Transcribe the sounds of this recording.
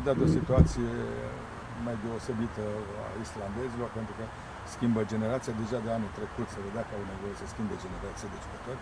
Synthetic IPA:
d̪ad̪o̞sit̪uat̪sije | majd̪e̞ose̞bit̪əa̰island̪e̞zilo̞rpe̞nt̪ɾukə | skʲimbəd͡ʒe̞ne̞ɾat̪sijad̪e̞ʒad̪eanuit̪ɾe̞kut̪səved̪eakəawne̞vo̞je̞səskʲimbed͡ʒe̞neɾat̪sijad̪eʒukət̪orʲ

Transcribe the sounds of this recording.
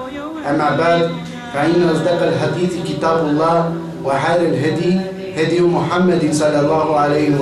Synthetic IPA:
ʔamːaːbaʕd̪ | faʔɪnːaʔɑzˤd̪ɑqalħad̪iːθkɪt̪aːbɑlˤːɑː | wɪħaːɾalɦad̪i | had̪jmʊħamːad̪sˤɑlːɑlˤːɑːɦʕalajɪ

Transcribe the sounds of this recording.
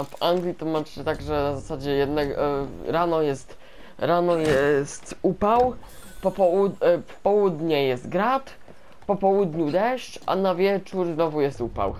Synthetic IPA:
vaŋɡlʲit̪ɔmat͡ʂɘt̪aɡʐɛnazasad͡ʑɛjɛd̪nɛɡɾanɔjɛst̪ | ɾanɔjɛst̪upaw | pɔpɔuppɔwud̪ɲɛjɛst̪ɡɾat̪ | pɔpɔwud̪ɲud̪ɛʂt͡ɕʔa̰navʲjɛt͡ʂuɾznɔvujɛst̪upa̰w

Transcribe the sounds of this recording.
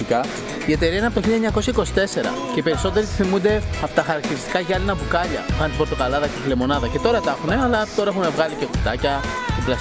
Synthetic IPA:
ikɐ | ie̞t̪e̞ɾiɐinɐpot̪oçiʎiɐeɲɐko̞sçɐiko̞si̥t̪e̞se̞ɾɐ̰ce̞ipe̞ɾiso̞t̪e̞ɾit̪i̥θimund̪e̞ɐpot̪ɐxɐɾɐkt̪iɾist̪i̥kɐʝɐlinɐvukɐʎɐ̰ɣɐnt̪ibo̞ɾt̪o̞kɐlɐðɐceθilemo̞nɐðɐce̞t̪o̞ɾɐt̪ɐxune̞ɐlɐt̪o̞ɾɐexume̞vɣɐlicekut̪ɐcɐ | t̪iblɐs

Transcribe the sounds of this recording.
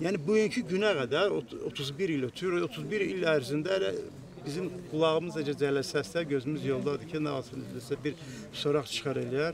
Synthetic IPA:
jæːnibujyɲcʰyɟynæɡæd̪æɾoot̪ʰuzbiɾilot̪ʰujuɾot̪ʰuzbiɾilæɾzind̪æɾ | bizimɡulˠɑɣɯmɯzed͡ʒɛd͡ʒælæsæst̪æɟøzymyzjo̞lˠd̪ɑd̪ɯcʰinɑɑlˠsɯnizlæsæbiɾ | soɾɑχt͡ʃʰɯ̥χɑɾelijæɾ

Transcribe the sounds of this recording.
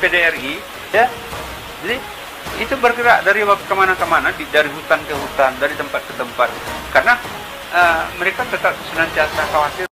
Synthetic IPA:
pedeɛri | ja | d͡ʒadi | it̪ubərkəɾaʔdaɾiwak̚t̪̚kəmanakəmanadidaɾiɦut̪ankəɦut̪andaɾit̪əmpat̪̚kət̪əmpat̪̚karəna | ʔəməɾekat̪ət̪ap̚sənant̪iasakawat̪ɪr

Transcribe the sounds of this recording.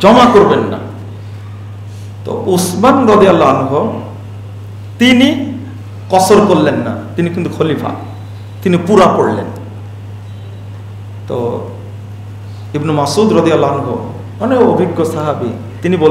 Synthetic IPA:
d͡ʒɔmakoɾbenːa̰ | t̪o̰ʔusmanɾɔd̪ialːaːnuɦɔ | t̪ini | kɔsɔɾkolːenːa̰t̪inikint̪ukʰolipʰa̰ | t̪inipuɾakoɽlḛn | t̪ɔ̰ | ibnɔmasud̪ɾɔd̪ijalaːnuɦɔ | ɔneobʱiɡːɔsaɦabḭ | t̪inibol

